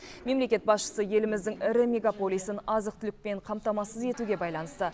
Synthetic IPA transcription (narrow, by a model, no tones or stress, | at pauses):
me̞mle̞kʲe̞t̪̚bɑsʃə̥səje̞lɪmɪzd̪ɪŋɪɾɪmʲe̞ɡapo̞lˠijsənɑzəqt̪ʰʏlɪk̚ʲpe̞ɴqʰɑmt̪ɑmɑsəze̞t̪uɡʲe̞bɑjlˠɑnəst̪ə